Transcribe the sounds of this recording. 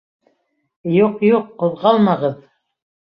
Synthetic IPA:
juqjuqːŏðʁɑlˠmɑʁɤð

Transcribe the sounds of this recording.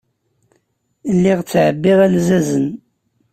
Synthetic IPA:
lːiʁt͡sːʕəbːiʁælzæzən

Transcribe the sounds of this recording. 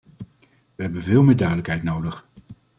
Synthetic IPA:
ʋəɦɛbənvɪːlˠmɪːɹdœɥdələkɦɛjtnowdəχ

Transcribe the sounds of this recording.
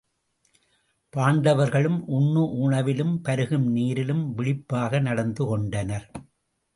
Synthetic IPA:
paːɳɖɐʋɐɾɣɐɭɯmʔʊɳːɯʔuːɳɐʋɪlɯmpɐɾɯɣɯmniːɾɪlɯmʋɪɭɪpːaːɣɐnɐɽɐnd̪ɯkɔɳɖɐnɐɾ

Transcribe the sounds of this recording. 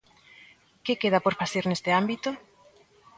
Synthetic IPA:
kekeð̞apoɾfaθeɾnest̪ɪambit̪o

